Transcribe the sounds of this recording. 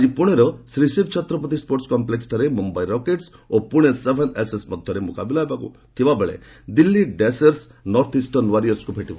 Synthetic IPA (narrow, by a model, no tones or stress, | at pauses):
ad͡ʒipuɽ̃eɾɔsɾisibt͡ʃʰɔt̪ɾɔpɔt̪̬ispoɾʈskɔmpleksʈɔɾemumbaiɾɔkeʈsopuɽ̃esebʱenesesmɔd̪ʱjɔɾemukabilaɦebakṵ | t̪ʰibabeɭḛ | d̪ilːiɖeseɾsnɔɾt̪ʰisʈɔnwaɾijɔskupʰeʈiba̰